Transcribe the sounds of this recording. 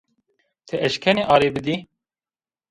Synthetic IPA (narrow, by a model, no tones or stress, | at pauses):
t̪ʰɨʔɛʃkʰɛneːʔɑːɾeːbɨd̪i